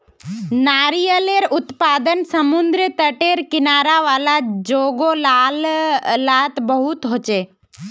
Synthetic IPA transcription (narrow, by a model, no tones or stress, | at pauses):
naːɾijəleɾʊt̪paːd̪ənsəmʊnd̪ɾət̪əʈeɾkɪnaːɾaʋaːlad͡ʒoːɡolallaːt̪bəɦʊt̪ɦoːt͡ʃeː